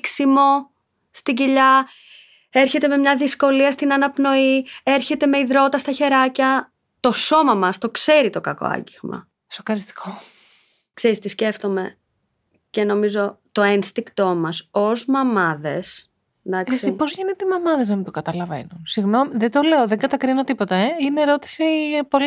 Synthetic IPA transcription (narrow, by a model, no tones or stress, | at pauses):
ksimo̞ | st̪iɟiʎɐ | e̞ɾçe̞t̪e̞me̞mɲɐðisko̞liɐst̪inɐnɐpno̞ie̞ɾçe̞t̪e̞me̞iðɾo̞t̪ɐst̪ɐçe̞ɾɐcɐ | t̪o̞so̞mɐmɐst̪o̞kse̞ɾit̪o̞kɐko̞̰ɐ̰ɲɟiɣmɐ̰ | sokɐɾist̪i̥kʰo | kse̞ɾist̪isce̞ft̪o̞me̞ | ce̞no̞mizo̞t̪o̞enst̪iŋkt̪o̞mɐso̞zmɐmɐðe̞s | d̪ɐksesipozʝinet̪eimɐmɐðeznɐmit̪okɐt̪ɐlɐve̞̰nunsiɣno̞miðed̪o̞le̞oðeɡɐt̪ɐkɾinot̪ipot̪ɐeineɾo̞t̪i̥sipo̞li